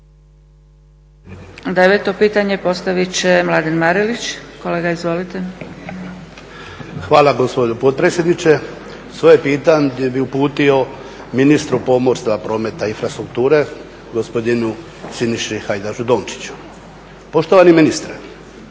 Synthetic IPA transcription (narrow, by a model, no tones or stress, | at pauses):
d̪eʋet̪o̞piːt̪aɲe̞po̞st̪aʋit͡ɕemlad̪enmaɾilit͡ɕkole̞ːɡaizʋo̞lit̪e | xʋaːlaɡospod̪opot̪̚pɾeːtsʲjed̪nit͡ʃe | sʋojepiːt̪aɲd̪ebiupuːt̪io̞ | minist̪ɾupo̞moɾst̪vapɾo̞ːme̞t̪ainfɾast̪ɾuk̚t̪uːɾe̞ | ɡospod̪inu | siniʃixajd̪aʒud̪o̞ːnt͡ʃi̥t͡ɕu̥ | po̞ʃt̪oʋaniminist̪ɾe